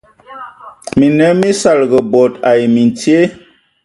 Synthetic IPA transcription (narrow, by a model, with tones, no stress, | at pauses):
mi˨nə˨˦mi˦sa˨lɣə˨bɔ˨ta˨jmi˨n˨tje˦